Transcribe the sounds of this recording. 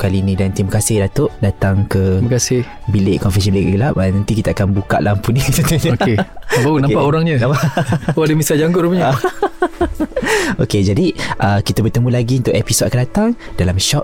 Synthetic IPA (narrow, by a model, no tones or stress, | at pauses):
kaliːnĩdant̪imakasɪhdat̪oʔdat̪aŋkəmakasɪh | bileʔkɔnfɛs̬ibileʔɡəlap̚nant̪ikit̪aakanbuka̰ʔlʔampunit̪at̪əokebaunãmpaʔoɾaŋɲənãmpaʔoadəmisad͡ʒaŋɡʊʔɾumɲa | oked͡ʒadiʔəkit̪abərt̪əmũlaɡiunt̪ʊʔɛpisodakandat̪aŋdalamʃɔʔ